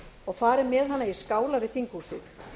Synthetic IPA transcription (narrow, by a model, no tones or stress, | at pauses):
ɔɣfaːɾɪmɛːðhanːajiskaːwlavɪðθiŋkhusɪð